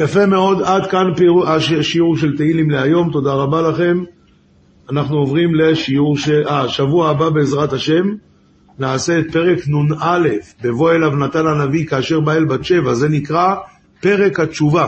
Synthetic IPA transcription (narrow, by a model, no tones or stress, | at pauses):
jafe̞me̞o̞d̪ad̪kanpeuaʃeʃiuʁʃe̞lt̪eilimleajo̞mt̪o̞d̪aʁabalaχe̞m | anaχnuovʁimle̞ʃiuʁʃeʔaʃavuaːbabe̞ːzʁat̪aʃe̞m | naːse̞ːt̪̚pe̞ʁe̞knunale̞fbe̞vo̞elavnat̪ananavikaːʃe̞ʁbaelbat͡ʃe̞vaze̞nikʁa | pe̞ʁe̞khat͡ʃuva